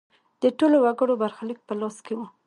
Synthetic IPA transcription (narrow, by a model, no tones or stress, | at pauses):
d̪̥əʈolowaɡəɽobaɾxalik̚pəlɑskewu